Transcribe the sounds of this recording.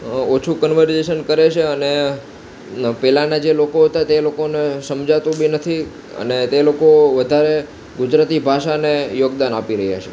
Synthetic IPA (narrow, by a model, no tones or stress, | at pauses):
ot͡ʃʰukənʋəɾd͡ʒeʃənkəɾet͡ʃʰeəne | pɛlanad͡ʒelokoɦət̪at̪elokonesəmd͡ʒat̪ũbʱinət̪ʰi | ə̰net̪elokoʋəd̪ʱaɾe | ɡʊd͡ʒɾat̪ibʱaʃanejoɡd̪anapiɾəɦja̰t͡ʃʰe